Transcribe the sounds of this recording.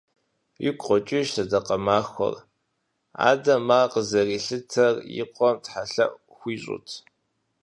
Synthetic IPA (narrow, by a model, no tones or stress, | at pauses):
jɪkʷʰʼχʷɔt͡ʃʼɪʒsɐdɐqɐmaːxʷɔ̰r | a̰ːdɐmːaːqəzɐriːɬɨtʰɐrjɪ̰qʷɔmtħaɬɐ̰ʔ | xʷiːɕʼʊ̰tʰ